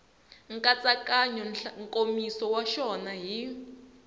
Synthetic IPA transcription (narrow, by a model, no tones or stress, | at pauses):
ŋkʼat͡sakaɲɔnŋkʼomisɔwaʃɔnaɦi